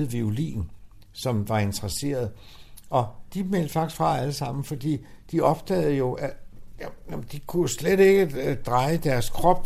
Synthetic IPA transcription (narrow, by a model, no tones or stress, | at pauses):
ʋiulḭːn | sɒ̽mʋɑ̈e̝nt͡sʰəʁɐse̝̰ːɐð̩ˠʔɒ̽d̥imel̰d̥fɑ̈ɡ̥i̥sɡfʁɑ̈æləsɑ̈m̰n̩fɒ̽d̥ḭːd̥iɒ̽b̥̚d̥ɛ̰ːð̞̩ˠjo̝ʔæ | æmd̥ikʰusleɾe̝ɡ̥əd̥ʁɑ̈ɪəd̥æɐskʰʁɒ̽b̥̚